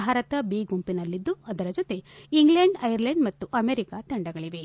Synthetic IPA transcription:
aːɾɐt̪ɐbiːɡumpinɐlːid̪ːuɐd̪ɐɾɐd͡ʒot̪e̞iŋɡɭeɳɖɐjɐɾlɐɳɖmɐt̪ːuʔɐmeɾikat̪ɐɳɖɐɡɐɭiʋe̞

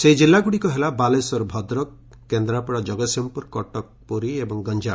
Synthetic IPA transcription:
seid͡ʒilːaɡuɽikɔɦelabalesɔɾbʱɔd̪ɾɔk | kːend̪ɾapɔɽɔd͡ʒɔɡɔsɔmpuɾkɔʈɔk̚pɔɾiebɔŋɡɔnd͡ʒa

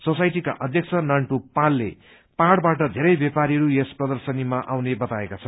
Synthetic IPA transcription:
sosajʈika̰ʔʌd̪ʱjʌk̚t͡sʰʌnaɳʈupalːḛ | paɽbaʈʌd̪ʱeɾʌjbjepaɾiɦʌɾujesprʌd̪ʌrsʌnimaʔawnebʌt̪aekat͡sʰʌn

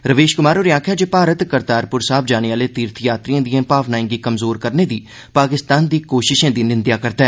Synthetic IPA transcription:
ɾəʋeːʃkʊmaːɾoːɾjãːkʰjaːd͡ʒepaːɾət̪kəɾt̪aːɾpʊɾsaːbʰd͡ʒaːneʋaːleːt̪iːɾt̪ʰjaːt̪ɾijãːd̪iãːpaːʋnaːɪ̃ŋɡiːkəmzoːɾkəɾneːd̪iː | paːkɪst̪aːnd̪iːkoːʃɪʃẽːd̪iːnɪnd̪jaːkəɾt̪aɛː

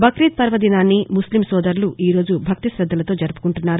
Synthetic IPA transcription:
bʱɐkɾiːt̪̚pɐɾʋɐd̪inaːnːimuslimsɔːd̪ɐɾluʔiːɾo̞ːd͡ʒubʱɐk̚t̪isɾɐd̪ʱːɐlɐt̪o̞ːd͡ʒɐɾupu̥kuɳʈunːaːɾu

